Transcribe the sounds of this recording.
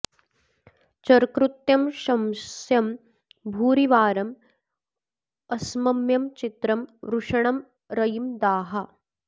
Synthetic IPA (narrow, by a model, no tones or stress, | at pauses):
t͡ʃɐɾkɾut̪jɐmʃɐmsjɐm | bʱuːɾiʋaːɾɐm | ɐsmɐmjɐmt͡ʃit̪ɾɐmɾuʂɐɳɐm | ɾɐjimd̪aːɦɐ